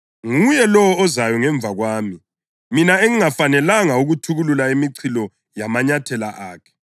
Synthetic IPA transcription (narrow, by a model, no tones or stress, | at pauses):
ŋujɛlɔwɔːzajɔŋɛɱb̪vʱaɣwaːmi | minaeŋiŋafanɛlaŋauɣutʰuɣululaimiǀʰilɔ | jamaɲatʰɛla̰ʔaːkʰɛ̥